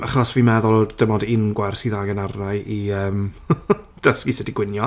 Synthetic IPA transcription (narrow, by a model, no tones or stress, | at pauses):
aχɔsvimɛðʊlˠd̥əmɔdɪnɡwɛrsiðaɡənarnaɨiəːm | d̥əskisɛdiɡwɪnjɔ